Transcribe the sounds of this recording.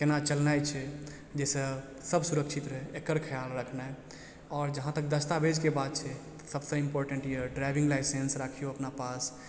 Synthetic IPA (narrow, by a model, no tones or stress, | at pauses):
kenat͡ʃəlnajt͡ʃʰɛ | d͡ʒesə̃ | səbsuɾəkt͡ʃʰit̪ɾəeekəɾkʰəjalɾəkʰnaj | ɔːɾd͡ʒəɦãt̪ək̚d̪əst̪abed͡ʒkebad̪̚t͡ʃʰɛt̪ɔ̥səbsə̃impoɾʈə̃ɳʈijəɖɾajbĩŋɡlajsensɾakʰijoəpnapas